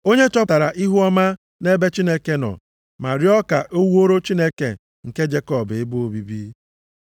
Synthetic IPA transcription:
o˦ɲe˦t͡ʃɔ˦ta˨ɾa˨ʔi˦ɦu˦ɔ˦ma˦ | ne˦be˦t͡ʃi˦ne˦ke˦nɔ̰˨ | ma˨ɾi˦ɔ˦ka˨ʔo˦wu˦o˦ɾo˦t͡ʃi˦ne˦ke˨ | ŋ̩˨ke˦d͡ʒe˦kɔ˦be˦bu˦o˦bi˦bi˦

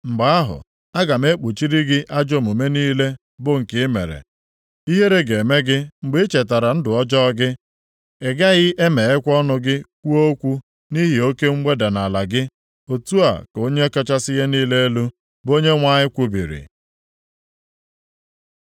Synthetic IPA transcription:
ŋ͡m̩˨ɡ͡ba˨a˦ɦʊ̰˨ | a˦ɡa˨m˦e˦k͡pu˨t͡ʃi˦ɾi˦ɡɪ˦ʔa˦d͡ʒo˦mu˨me˦niː˦le˦ | bʊ˦ŋ̩˨kɪ˦me˨ɾḛ˨ | i˦ɦe˦ɾe˦ɡe˨me˦ɡɪ˦ŋ͡m̩˨ɡ͡be˦e˦t͡ʃe˨t̬a˨ɾa˨n̩˦dʊ˨ɔ˦d͡ʒɔ˦ɡɪ˦ | e˨ɡa˦ɣɪ˦ʔe˦me˨e˦kʷɔ˦nʊ˦ɡɪ˦kʷu˦o˦kʷu˦ | ni˦ɦi˨o˦ke˦ŋ͡m̩˦ɡ͡be˦da˨na˨la˨ɡɪ˦ | o˨tu˦a̰˨ko˦ɲe˦ka˦t͡ʃa˦sɪ˦ɦe˦niː˦le˦e˦lu˦ | bo˦ɲe˦ŋʷa˦ɲɪ˦kʷu˦bḭ˨ɾḭ˨

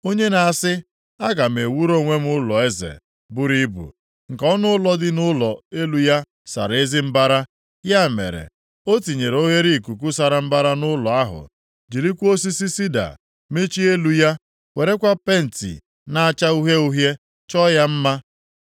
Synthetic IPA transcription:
o˦ɲe˦na˨a˨sɪ˦ | a˦ɡa˨m˨e˨wu˦ɾo˦˨ŋʷe˦m˦ʊ˦lɔ˨e˦zḛ˨ | bʊ˦ɾi˦bṵ˨ | ŋ̩˨kɔ˦nʊ˦ʊ˦lɔ˦dɪ˦nʊ˦lɔ˨e˦lu˨ja˦ | sa̰˨ɾe˦zɪ˦m̩˦ba˦ɾa˦ | ja˦˨mḛ˨ɾḛ˨ | o˦ti˨ɲe˨ɾo˦ɦe˦ɾi˦˨ku˨k̬u˦sa˨ɾa˨m̩˦ba˦ɾa˦nʊ˦lɔ˨a˦ɦʊ̰˨ | d͡ʒi˨ɾi˦kʷo˦si˦si˦si˦da̰˨ | me˦t͡ʃi˦e˦lu˨˦ja˦ | we˨ɾe˦kʷa˦pe˦n̩˨tḭ˨ | na˦a˦t͡ʃa˦u˦ɦe˦u˦ɦje˦ | t͡ʃɔ˦ja˦m̩˦ma˦

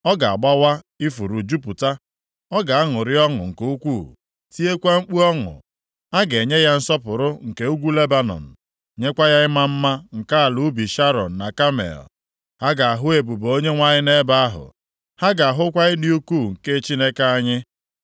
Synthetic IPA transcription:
ɔ˦ɡa˨a˨ɡ͡ba˦wa˦ | i˦fu˨ɾu˨d͡ʒu˦pu˨ta˦ | ɔ˦ɡa˨a˦ŋʊ˨ɾɪ˦ɔ˦ŋʊ̰˨ŋ̩˨ko˦u˦kʷu˦˨ | si˦e˦kʷa˦ŋ͡m̩˦k͡pu˦ɔ˦ŋʊ̰˨ | a˦ɡe˨ɲe˦ja˦n̩˦sɔ˦pʊ˨ɾʊ˦ŋ̩˨ke˦u˦ɡʷu˦le˦ba˦nɔ̰˨n̩˨ | ɲe˦kʷa˦ja˦ɪ˦ma˦m̩˦ma˦ŋ̩˨ka˦a˨lu˨˦bi˨ʃa˦ɾɔ̰˨n̩˨na˨ka˦mḛ˨l | ha˦ɡa˨a˨ɦʊ˦e˨bu˨bo˦ɲe˦ŋʷa˦ɲɪ˦ne˦ba˦a˦ɦʊ̰˨ | ha˦ɡa˨a˨ɦʊ˦kʷa˦ɪ˦dɪ˦u˦ku˦˨ŋ̩˨ke˦t͡ʃi˦ne˦ka˦a˦ɲɪ˦

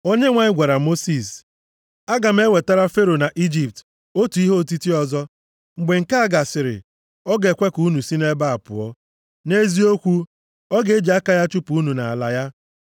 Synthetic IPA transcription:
o˦ɲe˦ŋʷa˨ɲɪ˦ɡʷa˨ɾa˨mo˦si˨s | a˦ɡa˨m̩˦e˦we˨ta˦ɾa˦fe˦ɾo˨na˨ʔi˦d͡ʒi˨p̚t | o˦tu˨i˦ɦo˦˨ti˦ti˦ɔ˨zɔ˦ | ŋ͡m̩˨ɡ͡be˨ŋ̩˨ka˦a˦˨ɡa˨sɪ˨ɾɪ̰˨ | ɔ˦ɡe˨kʷe˦ku˨˦nu˨si˦ne˦ba˦a˨pʊ̰˨ɔ̰˦ | ne˦zi˦o˦kʷu˦ | ɔ˦ɡe˨e˦d͡ʒi˨a˦ka˦ja˦t͡ʃu˦pu˨u˦nu˨na˨a˨la˨ja˦

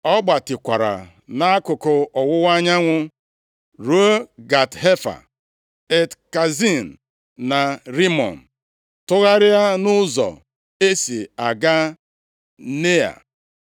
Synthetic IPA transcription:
ɔ˦ɡ͡ba˨tɪ˨kʷa˨ɾa̰˨ | na˦a˦kʊ˨kʊ˨ɔ˨wʊ˦wa˦ɲa˦ŋʷʊ˦ | ɾu˦o˦ɡa˨tɦe˦fa̰˨ | e˨tka˨zi˦n̩˨ | na˨ɾi˦mɔ̰˨n̩˨ | tʊ˦ɣa˦ɾɪ˦a˦nʊ˦zɔ̰˨ | e˦si˨a˨ɡa˦ | ne˦a̰˨

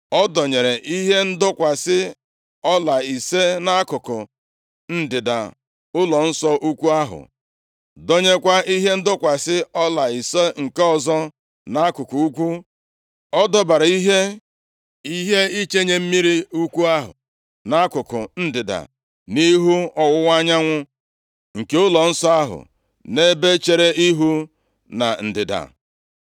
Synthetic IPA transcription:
ɔ˦dɔ˨ɲe˨ɾe˨ʔi˦ɦe˦n̩˦dʊ˦kʷa˨sɪ˦ | ɔ˦la˨i˨se˦na˦kʊ˨kʊ̰˨ | n̩˦dɪ˨da̰˨ | ʊ˦lɔ˨n̩˦sɔ˦ʔu˦kʷu˦a˦ɦʊ̰˨ | dɔ˦ɲe˦kʷa˦i˦ɦe˦n̩˦dʊ˦kʷa˨sɪ˦ɔ˦la˨i˨se˦ŋ̩˨ke˦ɔ˦zɔ˦ | na˦a˦kʊ˨ku˨u˦kʷu˦ | ɔ˦dɔ˦ba˨ɾa˨i˦ɦe˦ | i˦ɦe˦i˦t͡ʃe˦ɲe˨m̩˦mi˦ɾi˦u˦kʷu˦a˦ɦʊ̰˨ | na˦kʊ˨kʊ˨n̩˦dɪ˨da̰˨ | ni˦ɦu˦ɔ˦wʊ˦wʷa˦ɲa˦ŋʷʊ˦ | ŋ̩˨ke˦ʊ˦lɔ˨n̩˦sɔ˦a˦ɦʊ̰˨ | ne˦be˦t͡ʃe˨ɾe˦i˦ɦu˦ | na̰˨n̩˨dɪ˨da̰˨

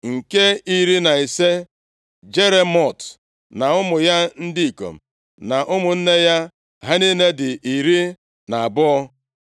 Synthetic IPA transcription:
ŋ̩˨ke˦i˦ɾi˦na˨i˨se˦ | d͡ʒe˦ɾe˨mɔ˦˨t | na˨ʊ˦mʊ˨ja˦n̩˦di˦i˨ko̰˨m̩˨ | na˨ʔʊ˦mʊ˨n̩˦ne˦ja˦ | ɦa˦ni˦ne˦dɪ˨ʔi˨ɾi˦ | na˨a˨bʊ˦ɔ˦

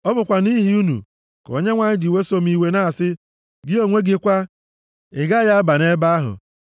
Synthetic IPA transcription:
ɔ˦bʊ˨kʷa˨ni˦ɦi˦u˦nṵ˨ | ko̰˨˦ɲe˦ŋʷa˨ɲɪ˦di˨we˦so˦m̩˦i˨we˦na˦a˨sɪ˦ | ɡɪ˦o˨ŋʷe˦ɡɪ˦kʷa˦ | ɪ˨ɡa˦ja˦ba˨ne˦ba˦a˦ɦʊ̰˨

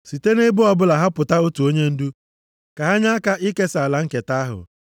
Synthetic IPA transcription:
si˨te˦ne˦bʊ˦ɔ˦bʊ˦la˨ɦa˦pʊ˨ta˦o˦tu˨o˦ɲe˦n̩˦du˦ | ka˨ɦa˦ɲa˦ka˦ʔi˦ke˦sla˨ŋ̩˦ke˨ta˦ɦʊ̰˨

